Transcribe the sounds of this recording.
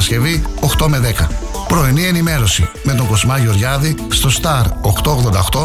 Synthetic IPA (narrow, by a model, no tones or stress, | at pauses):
sce̞vio̞xt̪o̞me̞ðe̞kɐ | pɾo̞inie̞nime̞ɾo̞sime̞t̪̬oŋɡo̞zmɐʝo̞ɾʝɐðist̪o̞st̪ɐɾoxt̪ooɣðo̞nd̪ɐoxt̪o̞